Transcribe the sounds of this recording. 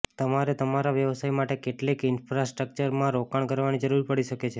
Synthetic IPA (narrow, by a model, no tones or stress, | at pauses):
t̪əmaɾet̪əmaɾaʋjəʋsaimaʈekeʈlekɪnfɾasʈɾək̚t͡ʃəɾmãɾokaɳkəɾʋanid͡ʒəɾuɾpəɽiʃəket͡ʃʰe